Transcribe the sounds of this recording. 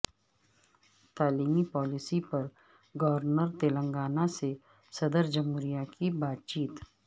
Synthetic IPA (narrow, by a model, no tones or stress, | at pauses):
t̪aːliːmipɔːlɪsipɐɾ | ɡɐʋəɾnəɾt̪eːlə̃ŋɡaːnase | sɐd̪əɾd͡ʒəmɦuːɾijakibaːt̪̚t͡ʃiːt̪